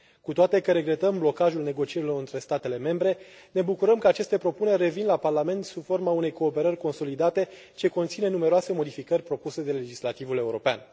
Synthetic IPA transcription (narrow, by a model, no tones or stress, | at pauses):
kut̪oat̪e̞kəɾe̞ɡɾe̞t̪əmblo̞kaʒulne̞ɡo̞t͡ʃie̞ɾilo̞ɾɨnt̪ɾe̞st̪at̪e̞le̞me̞mbɾe̞ne̞bukuɾəmkəat͡ʃe̞st̪e̞pɾo̞pune̞rʲːe̞vinlaparlame̞nt̪sub̥fo̞rmaune̞jko̞ːpe̞ɾərʲko̞nso̞lid̪at̪e̞ | t͡ʃe̞kont̪sine̞nume̞ɾoase̞mo̞d̪ifikərʲpɾo̞puse̞d̪e̞le̞d͡ʒislat̪ivule̞uɾo̞pea̰n